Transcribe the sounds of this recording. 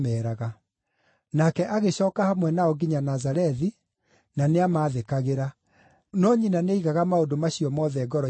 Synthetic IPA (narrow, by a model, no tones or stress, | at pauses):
mɛɾaɣa | nakɛʔaɣeɕɔːkahamwɛnaɔɡiɲanazaɾɛði | naneamaːðekaɣeɾa | nɔɲinaneiɣaɣamaondomaɕiɔmɔðɛɡɔɾɔ